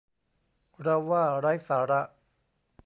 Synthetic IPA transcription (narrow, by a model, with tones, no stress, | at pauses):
ɾa˧waː˥˩ɾa˦˥jsaː˩˦ɾa˦˧ʔ